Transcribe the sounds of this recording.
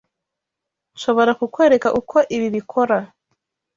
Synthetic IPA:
ʃoβoɾakukweɾekaʔukʰoʔiβiβikʰoɾa

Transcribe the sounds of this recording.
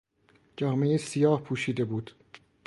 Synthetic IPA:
d͡ʒɒːme̞jesijɒːhpʰuːʃiːd̪e̞buːd̪̥

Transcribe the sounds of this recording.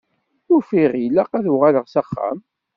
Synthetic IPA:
ʊɾfiʁilaqæðuʁaləʁsaχːæ̰m

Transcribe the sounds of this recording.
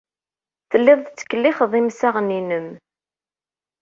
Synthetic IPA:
θəlːɪðˤt͡sːə̥kːəlːɪχðˤimsaʁninəm

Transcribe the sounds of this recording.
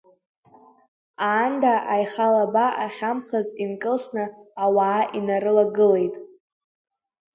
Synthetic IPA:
aːndaʔajχalabaʔaχʲamχazinkʼɨlsnɨawaːʔinaɾɨlaɡɨle̞jtʼ

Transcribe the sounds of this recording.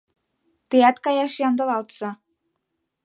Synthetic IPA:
t̪ɯjɑt̪kɑjɑʃjɑnd̪ɤ̆lɑlˠt̪sɤ̆

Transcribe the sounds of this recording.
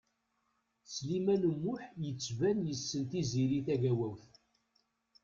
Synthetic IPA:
slimænəmːʊħjət͡sːvænjəsːənt̪iziɾiθæʝæwæwθ

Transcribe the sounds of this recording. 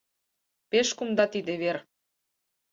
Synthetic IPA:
peʃkumd̪ɑt̪id̪eβer

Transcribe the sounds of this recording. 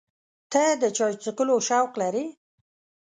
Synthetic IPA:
t̪ʰad̪ət͡ʃɑjt͡səkəloʃawqlaɾi

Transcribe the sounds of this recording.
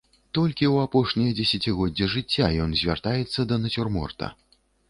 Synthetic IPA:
t̪ɔlʲkʲiwapɔʂnʲijɐd͡zʲɛsʲat͡sʲiɣɔdd͡zʲːɛʐɨt͡sʲːajɔnzʲvʲa̰rt̪ajɛt̪sːɐd̪ɐnɐt͡sʲurmɔ̰rt̪ɐ̰

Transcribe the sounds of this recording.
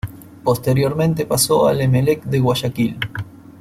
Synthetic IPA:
po̞st̪e̞ɾjo̞ɾmẽ̞nt̪e̞paso̞alemelekd̪eɣwaʃakil

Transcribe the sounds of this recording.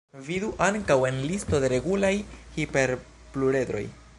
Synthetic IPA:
viduʔaŋkawe̞nlisto̞de̞ɾe̞ɡulajhipe̞ɾ | pluɾe̞d̪ɾo̞̰j

